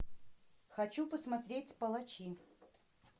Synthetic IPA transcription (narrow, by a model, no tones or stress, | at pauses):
xɐt͡ɕupəsmɐt̪ɾʲetʲpəlˠɐt͡ɕi